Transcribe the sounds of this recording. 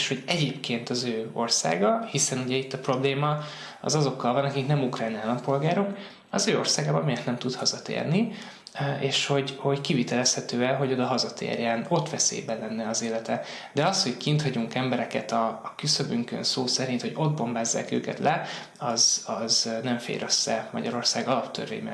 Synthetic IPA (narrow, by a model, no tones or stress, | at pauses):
eʃho̞ɟɛɟeːpkeːnt̪ɒzøːo̞̰rsa̰ːɡɒhisɛnuɟɛit̪ːɒpro̞bleːmɒ | ɒ̰zɒzo̞kːɒlvɒnɒkiknɛmukrajnaːlːɒmpo̞lɡaːɾok | ɒzøːo̰rsaːɡaːbɒnmijɛt̪nɛmt̪ut̪hɒzɒt̪ḛːrni | eːʃho̞ɟho̞ɟkivit̪ɛlɛshɛt̪øːɛlɦo̞ɟo̞d̪ɒɦɒzɒt̪ḛːrjɛno̞t̪ʋɛsḛːbɛnlɛnːɛɒzeːlɛt̪ɛ | d̪ɛɒsho̞ɟkint̪hɒɟuŋkɛmbɛɾɛkɛ̰t̪ɒːkysøbyŋkø̰nsoːsɛɾint̪ho̞ɟo̞d̪̚bo̞mbaːzːa̰ːkø̰ːkɛ̰t̪lɛ | ɒzɒznɛɱfḛːlrøsːɛmɒ̰ɟɒɾo̞rsaːɡɒlɒpt̪ʰø̰rvḛjmɛ̰